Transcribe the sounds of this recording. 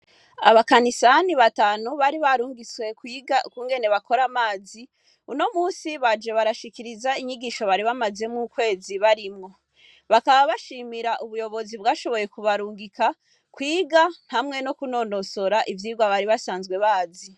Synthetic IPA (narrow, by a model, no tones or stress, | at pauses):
a̰βakanisaniβataːnuβaɾiβaɾuːŋɡiswe̞kuːŋɡe̞ne̞βakʰo̞ɾamaːzi | uno̞muːsiβad͡ʒe̞βaɾaʃikiɾizaiɲiɡiʃo̞βaɾiβamaze̞mŋukwe̞ːziβaɾimŋo̞ | βakaβaβaʃiːmiɾaʔuβujo̞βo̞zibɡaːʃo̞βo̞je̞kuβaɾuːŋɡikʰa | kwiːɡan̥hamŋe̞no̞kuno̞no̞so̞ɾaʔivjiːɡwaβaɾiβasaːnzɡwe̞βaːzi